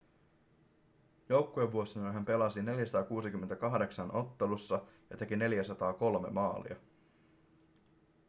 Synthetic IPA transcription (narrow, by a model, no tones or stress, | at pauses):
jo̞wkːue̞ʋːuo̞sinonɦæmpe̞lɑsine̞ljæsɑt̪ɑːkuːsikymːent̪ækɑɦde̞ksɑno̞t̪ːe̞lusːɑjɑt̪e̞kine̞ljæsɑt̪ɑːko̞lme̞̰mɑːlḭɑ̰